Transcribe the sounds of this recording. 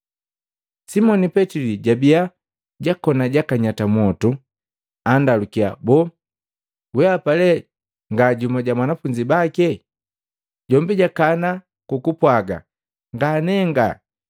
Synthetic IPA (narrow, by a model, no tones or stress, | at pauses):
simɔnipɛtiliɟabia | ɟakɔnaɟakaɲatamɔtu | andalukia̰bɔ | wɛapalɛ | ŋɡaɟumaɟamwanafuɲd͡ʒibakɛ | ɟɔmbiɟakana | kukupwaɡa̰ | ŋɡanɛŋɡa̰